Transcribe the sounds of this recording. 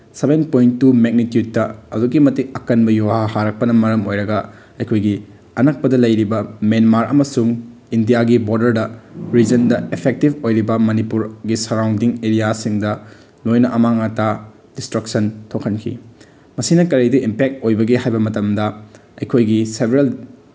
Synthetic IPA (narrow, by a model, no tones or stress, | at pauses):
sebenpojntːumek̚nitjud̚ːɐɐ̰duɡimɐtikɐkɐnbɐjuwahaɾɐk̚pɐnɐmɐɾɐmojɾɐɡɐ | ɐjkʰojɡi | ɐnɐk̚pɐdɐlɐjɾibɐmenmaɾɐ̰mɐsuŋ | indijaɡiboɾdɐɾdɐɾid͡ʒɐndɐepʰek̚tibojɾibɐmɐnipuɾɡisɐɾawndiŋeɾijasiŋdɐ | lojnɐʔɐmaŋɐta | distɾɐksɐntʰokʰɐnkʰḭ | mɐsinɐkɐɾiduʔimpek̚tojbɐɡeɦajbɐmɐtɐmdɐ | ɐjkʰojɡisebɾel